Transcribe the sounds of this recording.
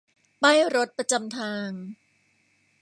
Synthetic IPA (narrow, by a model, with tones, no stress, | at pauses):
pa˥˩jɾo˦˥t̪̚pɾa˧t͡ɕa˧mt̪ʰaː˧ŋ